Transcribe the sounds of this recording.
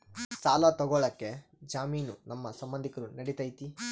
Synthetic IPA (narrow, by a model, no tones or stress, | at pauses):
saːlɐt̪ɔɡɔɭɐkːe̞ | d͡ʒaːmiːnunɐmːɐsɐmbɐnd̪ʱikɐɾunɐɽit̪ɐjt̪i